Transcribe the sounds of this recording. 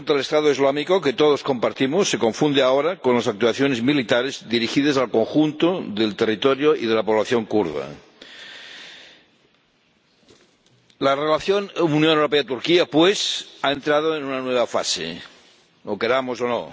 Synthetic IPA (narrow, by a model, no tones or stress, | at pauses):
nt̪alest̪aðoizlamikoket̪oð̞osko̞mpaɾt̪imosːeko̞ɱfund̪eaoɾakonlasak̚t̪uaθjonezmilit̪aɾezd̪iɾixiðesalkoŋxunt̪oðelt̪erit̪oɾjoiðelapoβlaθjo̞ŋkuɾða̰ | larelaθjonunjonewɾo̞peat̪uɾkiapwesaent̪ɾaðoenunanweβ̞afa̰sḛ | okeɾamosono̰